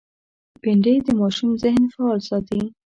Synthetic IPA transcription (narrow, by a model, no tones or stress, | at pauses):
bɪɳɖed̪əmɑʃumzɪhnfaːlsɑt̪ii